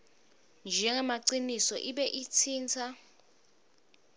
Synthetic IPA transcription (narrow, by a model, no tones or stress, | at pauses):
nd͡ʒʱɛŋɛmaǀinisɔʔiɓɛʔit͡sʰiːnt͡sʰa